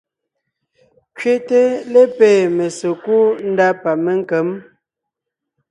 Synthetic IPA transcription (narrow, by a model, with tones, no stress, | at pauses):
kɥe˦te˦le˦peː˨me˨so˨ku˦n̩˦da˦pa˨me˦ŋ˦ke˨˦m